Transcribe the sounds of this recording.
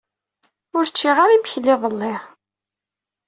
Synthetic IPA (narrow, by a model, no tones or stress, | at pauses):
ʊɾt͡ʃːiʁaɾimçəlːɪðˤəlːɪ